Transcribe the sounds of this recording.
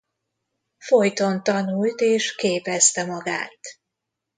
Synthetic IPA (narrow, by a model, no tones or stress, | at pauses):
fo̞jt̪o̞nt̪ɒnult̪eːʃkeːpɛst̪ɛmɒɡa̰ːt̪